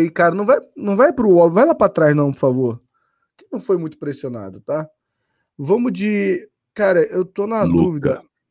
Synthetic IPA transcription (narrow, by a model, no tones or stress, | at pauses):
ikaɾɐnɐ̃w̃vajnɐ̃w̃vajpɾʊɔbvajlapɾat̪ɾajznɐ̃w̃poɾfavoɾ | kɪnɐ̃w̃fojmũj̃t̪ʊ̥pɾesiona̰d̪ʊt̪a | vɐ̃mʊd͡ʒɪ | kaɾɐʔewt̪onɐd̪uvid̪ɐ̰